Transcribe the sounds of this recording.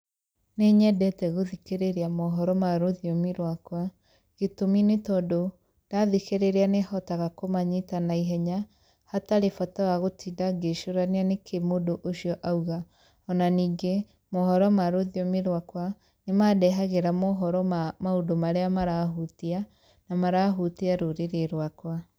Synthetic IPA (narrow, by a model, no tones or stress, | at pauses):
neɲɛdɛtɛɣoðikeɾeɾeamɔɦɔɾɔmaɾoðiɔmiɾwakwa | ɣetominetɔdo | d̥aðikeɾeɾeanehɔtaɣakomaɲitanaiɦɛɲa | hataɾefɔtawaɣotʰiːdaɡeʃoɾanianekʰemodoʔoʃiɔʔauɣa | ɔnaniːŋɡe | mohɔɾɔmaɾoðiɔmeɾwakwa | nemadɛɦaɣeɾamoɦɔɾɔmaodomaɾeamaɾaɦutia | namaɾaɦutiaɾoɾeɾeɾwakwa